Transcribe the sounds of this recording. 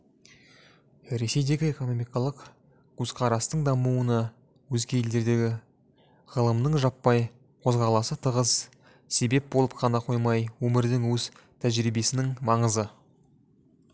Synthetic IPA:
ɾe̞se̞jd̪e̞ɡʲɪe̞ko̞nomijkɑlˠəq | ɡ̥uzqʰɑɾɑst̪əɴd̪ɑmuənɑ | wɵzɡʲe̞eld̪e̞ɾd̪e̞ɡʲɪ | ʁəlˠəmnəɴʒɑpːɑj | qʰo̞zʁɑɾlˠɑsət̪ʰəʁəz | se̞be̞p̚bo̞lˠəp̚qʰɑnɑqʰo̞jmɑjwɵmɪɾd̪ɪŋwɵz̥t̪ʰæʒɾibe̞sɪnɪŋmɑɴəzə

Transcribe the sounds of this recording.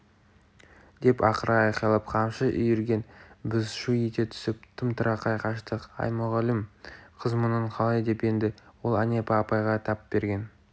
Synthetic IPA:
d̪e̞pɑqəɾɑɑjqɑlˠəpqʰɑmʃəʔʏ̰jɪɾɡʲe̞nbɪzʃuet̪e̞t̪ʰʏ̥sɪp̚t̪ʰɪmt̪ʰʊɾʔɑqʰɑjqʰɑʃt̪əqɑ̰jmʊʁɑlɪmqʰəzmʊnəɴqʰɑlˠɑjd̪e̞pe̞nd̪ɪwo̞lˠanepɑːpɑjʁɑt̪ʰɑp̚be̞ɾɡʲe̞n

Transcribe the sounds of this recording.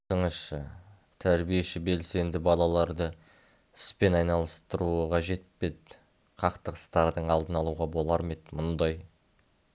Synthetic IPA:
əɴəʃʃə | t̪ʰæɾbije̞ʃɪbe̞lse̞nd̪ɪbɑlˠɑlˠɑɾd̪ə | ɪspe̞nɑjnɑlˠəst̪əɾuəʁɑʒe̞t̪̚pe̞d̪ | qʰɑqt̪əqə̥st̪ɑɾd̪əɴɑlˠd̪ənɑlˠuʁɑbo̞lˠɑɾme̞t̪mʊnd̪ɑj

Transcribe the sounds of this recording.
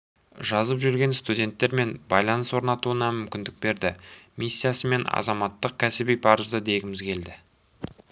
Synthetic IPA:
ʒɑzəpʒʏɾɡʲe̞nst̪udʲe̞nt̪ːe̞ɾme̞nbɑjlˠɑnəswo̞ɾnɑt̪uənɑmʏmkʲɪnd̪ɪk̚be̞ɾd̪ɪmisːijasəme̞nɑ̰zɑmɑt̪ːəq̚kʲʰæsɪbijpʰɑɾəzd̪əd̪e̞ɡʲɪmɪzkʲʰe̞ld̪ɪ

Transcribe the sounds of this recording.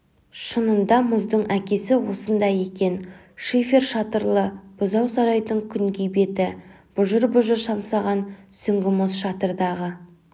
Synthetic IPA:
ʃənənd̪ɑmʊzd̪əɴækʲe̞sɪwo̞sənd̪ɑje̞kʲe̞n | ʃifʲe̞rʃɑt̪əɾlˠəb̥ʊzɑwsɑɾɑjd̪əɴkʲʰʏŋɡʲejbe̞t̪ɪ | b̥ʊʒəɾbʊʒəɾʃɑmsɑʁɑnsʏŋɡʲɪmʊzʃɑt̪əɾd̪ɑʁə

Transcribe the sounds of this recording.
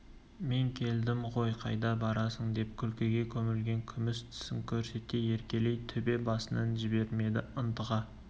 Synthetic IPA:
me̞ŋkʲʰe̞ld̪ɪmʁo̞jqʰɑ̰jd̪ɑbɑɾɑsəɴd̪e̞p̚kʲʰʏlkʲe̞ɡʲe̞kʲʰɵmɪlɡʲe̞ŋkʲʰʏmɪst̪ʰɪ̥sɪmkʲʰɵɾse̞t̪e̞je̞ɾkʲe̞le̞jt̪ʰʏbe̞bɑsənɑnʒɪbe̞ɾme̞d̪ɪʊnt̪əʁɑ

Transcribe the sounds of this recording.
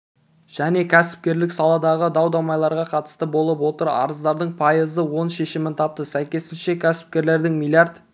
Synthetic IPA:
ʒ̥æne̞kʲʰæsɪ̥p̚kʲe̞ɾlɪksɑlˠɑd̪ɑʁəd̪ɑwd̪ɑmɑjlˠɑɾʁɑqʰɑt̪ə̥st̪əbo̞lˠəpwo̞t̪əɾɑ̰ɾəzd̪ɑɾd̪əɴpʰɑjəzəwo̞nʃe̞ʃɪmɪnt̪ʰɑp̚t̪əsæjkʲe̞sɪnʃe̞kʲʰæsɪ̥p̚kʲe̞ɾle̞ɾd̪ɪŋmilʲiard̪

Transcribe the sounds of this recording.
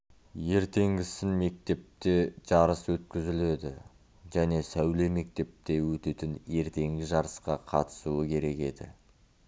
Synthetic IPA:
je̞ɾt̪e̞ŋɡʲɪsɪnme̞k̚t̪e̞p̚t̪e̞ʒ̥ɑɾəswɵt̪kʲɪzɪle̞d̪ɪ̰ | ʒæne̞sæwle̞me̞k̚t̪e̞p̚t̪e̞wɵt̪e̞t̪ɪnje̞ɾt̪e̞ŋɡʲɪʒɑɾəsqɑqʰɑ̰t̪ə̥suəkʲʰe̞ɾe̞kʲe̞d̪ɪ̰

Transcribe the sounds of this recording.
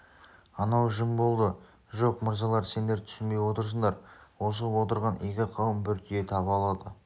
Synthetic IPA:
ɑnɑwʒəmbo̞lˠd̪ə | ʒo̞qməɾzɑlˠɑɾse̞nd̪e̞ɾt̪ʰʏ̥sɪnbe̞jwo̞t̪əɾs̬əɴd̪ɑɾwo̞s̬əwo̞t̪əɾʁɑnekʲɪqʰɑwəmbʏɾt̪jet̪ʰɑβəɑlˠɑd̪ə

